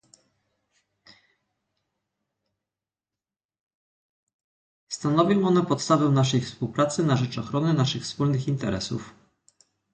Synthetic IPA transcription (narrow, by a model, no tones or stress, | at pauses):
st̪anɔvʲjɔ̃w̃ɔnɛpɔt̪st̪avɛw̃naʂ̬ɛjfspuwpɾat̪sɘnaʐɛt͡ʂɔxɾɔnɘnaʂɘxfspulnɘxint̪ɛɾɛ̰sṵf